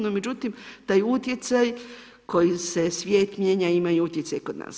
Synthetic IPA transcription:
nome̞d͡ʑut̪imt̪ajut̪je̞t̪saj | ko̞jise̞sʋʲje̞ːt̪mje̞ɲaimajuut̪jet̪sajkod̪na̰ːs

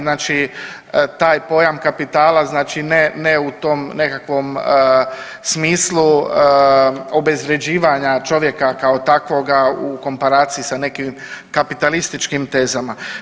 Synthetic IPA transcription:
naːt͡ʃi | t̪aːjpo̞jamkapit̪aːlaznaːt͡ʃineneut̪omne̞kakʋo̞m | smiːslu | o̞be̞zɾe̞d͡ʑiːʋaɲat͡ʃo̞ʋje̞kakaot̪akʋo̞ɡaukompaɾaːt̪siisane̞kim | kapit̪alist̪it͡ʃkimt̪e̞ːzama

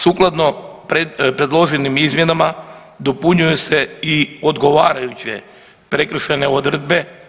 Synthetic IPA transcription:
suklˠad̪no̞pepɾe̞d̪lˠo̞ʒinimizmje̞nama | d̪opuɲujese̞iod̪ɡo̞ʋaːɾajut͡ɕe̞̰ | pɾe̞kɾ̩ʃene̞od̪r̩d̪be̞

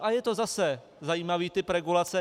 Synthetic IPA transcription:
ʔajɛt̪o̞zasɛ | zajiːmaviːt̪ɪpɾɛɡulat͡sɛ

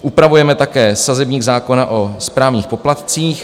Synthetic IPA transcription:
ʔupɾavujɛmɛt̪akɛːsazɛbɲiːɡzaːko̞naʔospɾaːvɲiːxpo̞plat̪t͡siːx

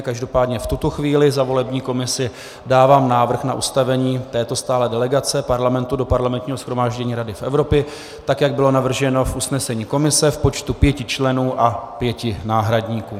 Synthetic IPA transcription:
kaʒdo̞paːdɲɛft̪ut̪oxviːlɪzavo̞lɛbɲiːko̞mɪsɪ | daːvaːmnaːvr̩xnaʔust̪avɛɲiːt̪ɛːt̪o̞st̪aːlɛːdɛlɛɡat͡sɛpaɾlamɛnt̪udo̞paɾlamɛnt̪ɲiːɦosxɾo̞maːʒɟɛɲiːɾadɪfʔɛvɾo̞pjɛ | t̪akjaɡ̚bɪlo̞navr̩ʒɛno̞fʔusnɛsɛɲiːko̞mɪsɛfpo̞t͡ʃt̪upjɛcɪt͡ʃlɛnuːʔapjɛcɪnaːɦɾadɲiːkuː

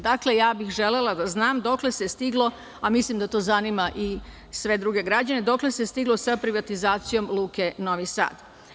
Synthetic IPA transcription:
d̪akle̞jaːbixʒe̞le̞lad̪aznaːmd̪o̞kle̞sest̪iɡlˠo̞ | amislimd̪at̪o̞ːzanimaʔi | sʋe̞d̪ɾuɡe̞ɡɾad͡ʑane̞d̪o̞kle̞sest̪iɡlo̞sapɾiʋat̪izaːt̪sijo̞mlˠuːkeno̞ʋisa̰ːd̪

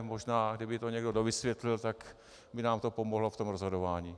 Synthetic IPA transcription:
moʒnaːɡdɪbɪt̪oɲɛɡdodovɪsvjɛt̪lɪlt̪ak | bɪnaːmt̪opomoɦloft̪omɾozɦo̞dovaːɲiː

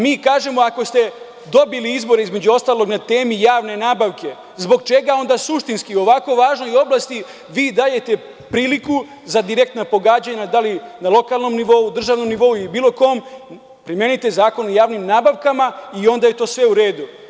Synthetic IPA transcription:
miːkaːʒe̞mo̞ako̞st̪e̞ | d̪o̞biliizbo̞ɾe̞izme̞d͡ʑuo̞st̪aːlˠo̞ɡnat̪e̞ːmijaːʋne̞naːbaʋke̞ | zbo̞ɡt͡ʃe̞ɡao̞nd̪asuʃt̪inskio̞ʋako̞ʋaːʒnoio̞blˠast̪i | ʋiːd̪aːje̞t̪e̞ | pɾiːliku | zad̪iɾe̞k̚t̪napo̞ɡaːd͡ʑaɲad̪alinalˠo̞kalno̞mniʋo̞ud̪r̩ʒaːʋno̞mniʋo̞uilibiːlˠo̞ko̞ːm | pɾime̞nit̪e̞zaːko̞nojaːʋnimnaːbaʋkamaio̞nd̪aje̞t̪o̞ːsʋe̞uɾe̞ːd̪u

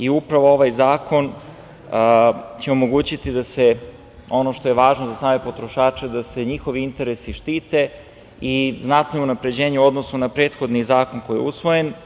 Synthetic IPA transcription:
iupɾaʋo̞o̞ʋajzaːko̞n | t͡ɕeo̞mo̞ɡuːt͡ɕit̪id̪ase | o̞noʃt̪o̞je̞ʋaːʒnozasaːme̞po̞t̪ɾo̞ʃaːt͡ʃed̪ase̞ɲixo̞ʋiint̪e̞ɾesiʃt̪iːt̪e̞ | iznat̪nounapɾe̞d͡ʑe̞ːɲeuo̞d̪no̞sunapɾe̞ːt̪xo̞d̪nizaːko̞nko̞jijḛusʋo̞je̞n

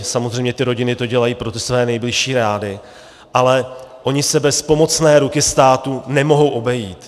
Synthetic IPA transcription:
samo̞zr̝ejmɲɛt̪ɪɾo̞ɟɪnɪt̪o̞ɟɛlajiːpɾo̞t̪ɪsvɛːnɛjblɪʃiːɾaːdɪ | ʔalɛʔo̞ɲɪsɛbɛspo̞mo̞t͡snɛːɾukɪst̪aːt̪unɛmo̞ɦo̞wʔo̞bɛjiːt̪

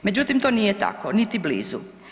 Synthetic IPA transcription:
med͡ʑut̪imt̪o̞ːnijet̪a̰konit̪iblḭːzṵ

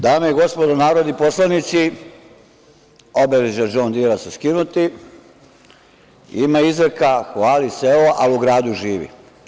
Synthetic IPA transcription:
d̪aːmeiɡo̞spod̪onaːɾod̪iposlanit̪si | obeleʒad͡ʒoːnd̪iɾasuskinut̪i | imaizɾekaxʋaːliseoʔaluɡɾaːd̪uʒiːʋḭ

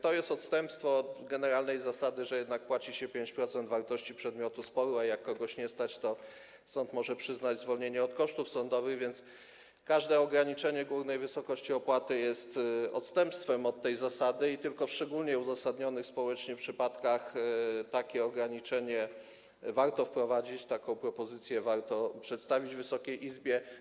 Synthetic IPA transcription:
t̪ɔjɛst̪ɔt̪st̪ɛmpst̪fɔt̪ɡɛnɛɾalnɛjzasad̪ɘʐɛjɛd̪nak̚pwat͡ɕiɕɛpʲjeɲt͡ɕpɾɔt̪sɛnd̪vaɾt̪ɔɕt͡ɕipʂɛd̪mʲjɔt̪uspɔɾuajakːɔɡɔɕɲɛst̪at͡ɕt̪ɔ | sɔnt̪mɔʐɛpʂɘznad͡ʑzvɔlɲeɲɛɔt̪kɔʂt̪ufsɔnd̪ɔvɘɣvʲjɛnt̪s | kaʐd̪ɛɔɡɾaɲit͡ʂɛɲɛɡwuvnɛjvɘsɔkɔɕt͡ɕiɔpwat̪ɘjɛst̪ɔ̰t̪st̪ɛmpst̪fɛmɔt̪ːɛjzasad̪ɘit̪ɘlkɔfʂt͡ʂɛɡulɲɛuzasad̪ɲɔnɘxspɔwɛt͡ʂɲɛpʂɘpat̪kaxt̪akʲɛɔɡɾaɲit͡ʂɛɲɛ | vaɾt̪ɔfpɾɔvad͡ʑit͡ɕt̪akɔ̃w̃pɾɔpɔzɘt̪sʲjɛvaɾt̪ɔpʂɛt̪st̪avʲid͡ʑvɘsɔkʲejʔizbʲjɛ

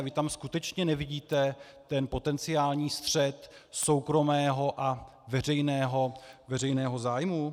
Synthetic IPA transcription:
vɪt̪amskut̪ɛt͡ʃɲɛnɛvɪɟiːt̪ɛ | t̪ɛnpo̞t̪ɛnt͡sɪaːlɲiːst̪r̝̥ɛt̪so̞wkɾo̞mɛːɦo̞ʔa | vɛr̝ɛjnɛːɦo̞vɛrɛjnɛːɦo̞zaːjmu

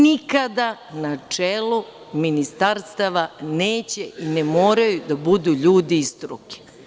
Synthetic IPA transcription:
nikad̪anat͡ʂelu | minist̪aɾst̪aʋaneːt͡ɕeʔinemoːɾajud̪abud̪uʎuːd̪iist̪ɾuki̥

